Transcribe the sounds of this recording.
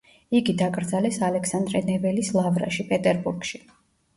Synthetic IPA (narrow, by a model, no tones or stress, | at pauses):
iɡid̪akʼɾd̪zalɛsalɛksand̪ɾɛnɛvɛlislˠavɾa̰ʃipʼɛt̪ʼɛɾbuɾɡ̥ʃi